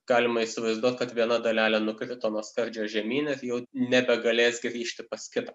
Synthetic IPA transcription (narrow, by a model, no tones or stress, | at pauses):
ɡ̥ɑːlʲɪmɐiːsʲɪʋɐɪzd̪uɔt̪kɐt̪ʋʲiɛnɐd̪ɐlʲæːlʲɛnʊkɾʲɪt̪oːnuɔskɐɾʲd͡ʒʲoːʒʲɛmʲiːnɪɾjɛʊnʲɛbʲɛɡɐlʲeːsɡɾʲiːʃʲt̪ʲɪpɐskʲɪt̪ɐ